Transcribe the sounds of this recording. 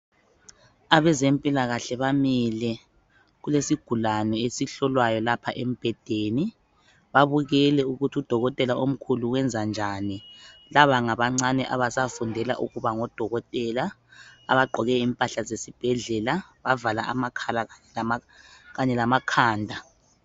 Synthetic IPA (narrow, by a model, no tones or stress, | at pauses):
aβɛzempʼilaɣaɬɛβamilɛ | ɣulesiɡ̥ʱulanɛesiɬɔlwajɔlapʰaʔem̩b̥ʱɛd̥ʱeːni | βaβuɣɛlɛuɣutʰiud̥ʱɔɣɔtʼɛlaom̩kʰuluwɛnd͡zʱand͡ʒʱanilaβaŋaβaŋ͡ǀanɛʔaβasafundʱɛla̰ʔuɣuβaŋɔd̥ʱɔɣɔtʼɛla | a̰βaɡ͡ǃʱɔɣɛimpʼaɬazesib̥ʱɛɮɛlaβavalaʔa̰makʰalaɣaɛl | ɣaɲɛlamakʰaːndʱa